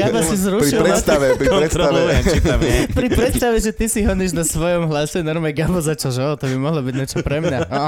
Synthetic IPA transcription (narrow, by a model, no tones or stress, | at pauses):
ɡabasizɾuɾiiɾɛst̪aʋɛpɾiɾɛsɾaɛɛit̪amɛpɾipɾɛt̪st̪aʋɛʒɛt̪isiɦɔɲiʒnasʋɔjɔmɦlasɛnɔɾmɛɡabɔzat͡ʃalʒɛɔt̪ɔbimɔɦlɔbiɟɲɛt͡ʃɔpɾɛmɲa